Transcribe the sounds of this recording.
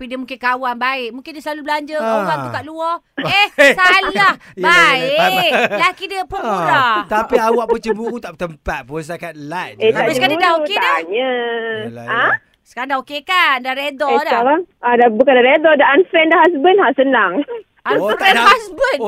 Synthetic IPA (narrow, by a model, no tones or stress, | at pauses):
t̪apidiəmũŋkɪnkawanbaɪʔmũŋkɪndisəlalublaɲd͡ʒəawanbukaʔ̪̚luɔ | ehsallahbaalakidiəpoɾat̪apiawaʔpət͡ʃəbuɾut̪aʔət̪əmpat̪̚puns̬akat̪̚lateaaiskadiədaokeadaɲə | a | sə̥kaɾãŋdaokekandaɾedɔdaaɾaŋadabukandaɾedɔdaanfɛndahasbənhasənaŋ | aaaasbən